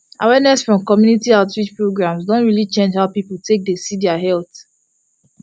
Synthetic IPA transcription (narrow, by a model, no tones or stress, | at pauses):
ʔawɛnɛsfɹɔ̃mkɔmjunitiaʊtɹid͡ʒpɹoɡɹãmsdõntɹilit͡ʃẽnd͡ʒhaʊpipul̩tʰek̚desidaɦɛlt